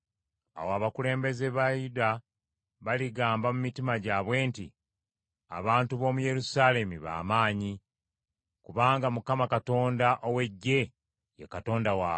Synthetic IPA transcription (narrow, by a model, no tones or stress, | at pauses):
a̰woaβakule̞ːmbe̞ze̞βajuda | βaliɡaːmbamumitimaɟaːβwe̞ːnti | a̰βaːntuβo̞muje̞ɾusale̞miβa̰ːmaːɲi | kuβaːŋɡamukamakato̞ːndaʔowe̞ɟːe̞ | jekato̞ːndawaː